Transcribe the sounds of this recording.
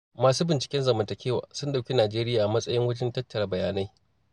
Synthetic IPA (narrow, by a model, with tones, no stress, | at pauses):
maː˨suː˦bɪ˨nt͡ʃɪ̥˨kʲɛ˦nzɐ˨mɐ˨ntɐ˨kʲʰeː˦wa̰ː˨sʊ˦nɗa˨wkʲi˦naː˨d͡ʒeː˦ɾɪ˦jaː˨ʔa˨mɐ˦sʼɐ˦jɪ˦ŋwɐ˦d͡ʒɪ˦ntɐ˦tːɐ˨ɾɐ˦bɐ˨jaː˨na˦j